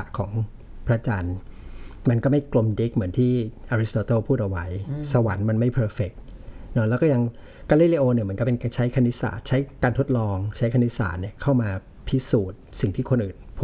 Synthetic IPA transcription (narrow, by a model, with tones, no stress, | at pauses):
kʰɔː˩˦ŋ | pʰɾa˦˥t͡ɕa˧n | ma˧nkɔː˥˩ma˥˩jklo˧mde˦˥k̚mɯ˩˦nt̪ʰiː˥˩ʔaː˧ɾi˦˥st̪oː˧t̪oː˥˩pʰuː˥˩t̪ʔa˨˩wa˦˥jsa˧wa˩˦nma˧nma˥˩jpʰɤː˧fe˨˩k̚nɔ˦˥lɛ˦˥kɔː˥˩ja˧ŋ | kaː˧liː˦˥˩le˧ʔoː˧ni˥˩m˧˦nkɔ˥˩pe˧nkaː˧nt͡ɕʰa˦˥jkʰa˧nːi˦˥sa̰ː˨˩t̪̚t͡ɕʰa˦˥jkaː˧nt̪ʰo˦˥t̪̚lɔː˧ŋt͡ɕʰa˦˥jkʰa˧ni˦˥sa̰ː˩t̪̚ni˥˩kʰa˥˩wmaː˧ | pʰi˦˥suː˨˩t̪̚si˨˩ŋt̪ʰiː˥˩kʰo˧nʔɯː˨˩npʰː